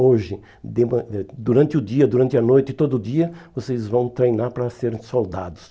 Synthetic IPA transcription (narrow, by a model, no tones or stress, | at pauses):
oʒɪ | d̪ɪmɐɛd̪uɾɐ̃nt̪ɪʊd̪iɐd̪uɾɐ̃nt̪ɪɐnojt̪ɪt̪od̪ʊːd̪iɐvosezvɐ̃w̃t̪ɾejnaɾpɾɐseɾsowd̪a̰d̪ʊs